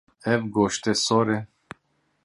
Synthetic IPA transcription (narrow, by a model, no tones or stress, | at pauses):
evɡoːʃt̪esoːɾe